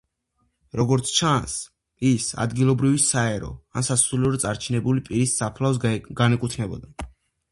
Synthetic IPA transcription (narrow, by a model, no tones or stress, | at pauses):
ɾɔɡɔɾt̪sʰt͡ʃʰans | isa̰d̪ɡilˠɔbɾivisaɛɾɔ̰ansasuliɔd̪t̪sʼaɾt͡ʃʰinɛbulipʼiɾisːapʰlˠavsɡ̥anɛkʼut̪ʰnɛbɔ̰d̪a